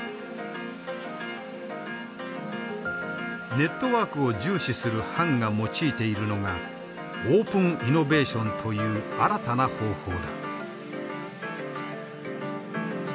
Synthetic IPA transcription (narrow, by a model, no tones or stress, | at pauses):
ne̞t̪ːo̞βaːkɯ̟o̞d͡ʑɨːɕisɨɾɯ̟hãŋɡamo̞t͡ɕiːt̪e̞iɾɯ̟no̞ɡa | oːpɯ̟̃ŋino̞be̞ːɕõ̞nt̪ʰo̞jɯ̟ːaɾat̪anaho̞ːho̞ːd̪a